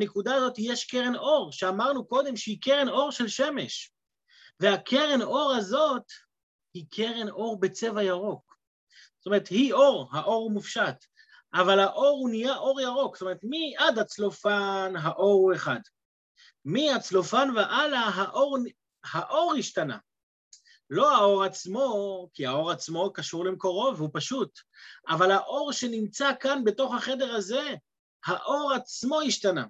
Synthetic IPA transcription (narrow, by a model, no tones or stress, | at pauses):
banekud̪aːzo̞t̪ijeʃkeʁenʔo̞ʁʃeamaʁnuko̞d̪e̞mʃeike̞ʁe̞no̞ʁʃe̞lʃe̞me̞ʃ | veakʰe̞ʁe̞no̞ʁhazo̞t̪ | hikʰe̞ʁe̞nʔo̞ʁbe̞t͡se̞vajaʁo̞k | zo̥t̪ome̞ʁet̪hio̞ʁhaʔo̞ʁumufʃat̪ | ʔavalaʔo̞ʁunijaʔo̞ʁjaʁo̞ksotome̞et̪miad̪hat͡slo̞fanɦaʔo̞ʁeχad | miat͡slo̞fanveʔalaɦaʔoʁ | haʔo̞ʁhiʃtana̰ | lo̞ao̞ʁat͡smo̞kiao̞ʁat͡smo̞kaʃuʁlemko̞ʁo̞veupaʃutavalhaʔo̞ʁʃe̞nimt͡sakanbe̞to̞χhaχe̞de̞ʁaze̞ | haʔo̞ʁat͡smo̞iʃtana